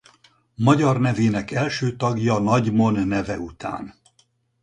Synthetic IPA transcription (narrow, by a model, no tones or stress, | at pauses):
mɒɟɒrnɛveːnɛkɛlʃøːt̪ɒɡjɒnɒɟmo̞nːɛvɛut̪a̰ːn